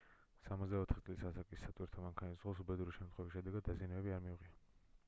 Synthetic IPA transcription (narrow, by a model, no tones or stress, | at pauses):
samɔt̪zd̪aɔt̪ʰχit̪sʼlisasakʼisːat̪ʼwiɾt̪ʰɔmaŋkʰanisʁɔs̬ubɛd̪uɾiʃɛmt̪ʰχwɛvisʃɛd̪ɛɡad̪ːazianɛbɛbiaɾmiuʁia